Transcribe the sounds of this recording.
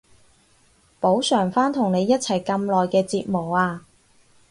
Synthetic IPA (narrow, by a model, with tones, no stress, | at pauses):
po˨˥wsœː˨˩ŋfaː˥nt̪ʰʊ˨˩ŋne˨˧jːɐ˥t̚t͡sʰɐ˨˩jkɐ˧mlɔː˨jkɛː˧t͡siː˧t̚mo˨˩waː˧